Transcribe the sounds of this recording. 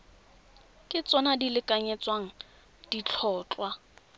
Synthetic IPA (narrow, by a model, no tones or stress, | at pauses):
kʼɪt͡sʼɔnadilɪkʼaɲɛt͡sʼwaŋ̩ | d̥it͡ɬʰɔːt͡ɬʼwa